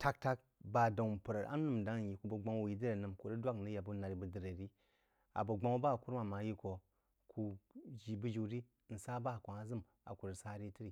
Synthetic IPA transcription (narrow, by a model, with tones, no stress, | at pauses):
tʰa˦k̚ta˦k | ba˨da˨pə˨ɾa˨ʔa̰˦nu˦˨m˨da˦ŋ˦n˨ji˨ku˦bə˨ɡ͡ba˦ŋwu˨ji˦də˦ɾe˨nɨ˨mko˨ɾi˦dwa˦knə˦ja˨bə˨˦na˨ɾi˨bə˨də˨ɾe˨ɾi˦ | a̰˨bə˨ɡ͡ba˦ŋwu˦ba˦˨ku˦ɾma˨ma˨˦ji˦ko˨ | kʰu˨d͡ʒi˨bə˦d͡ʒu˨ɾi˦ | n̩˨sa˦ba˦˨kʷa˨ŋa˦zɨ˦m | a̰˨ku˨ɾə˨sa˦ɾi˦ti˦ɾi˨